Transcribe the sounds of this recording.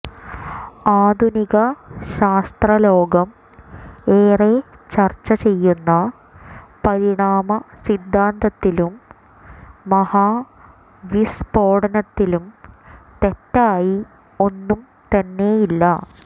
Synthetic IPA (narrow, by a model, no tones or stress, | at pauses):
aːd̪ʱuniɣɐɕaːst̪rɐlo̞ːɡɐm | eːret͡ɕɐrt͡ɕːɐt͡ɕe̞jːunːɐ | pɐɾiɳaːmɐsid̪ʱːaːnd̪ɐt̪ːilumː | ɐhaː | ʋispo̞ːɽɐnɐt̪ːilumt̪e̞tːaːji | o̞nːum | t̪ɐnːe̞jilːɐ